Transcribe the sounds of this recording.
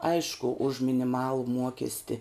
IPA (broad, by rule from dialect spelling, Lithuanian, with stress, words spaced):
ˈɐɪʃkʊ ʊʃ mʲɪnʲɪˈmɑːlˠʊ ˈmuɔkʲɛsʲtʲɪ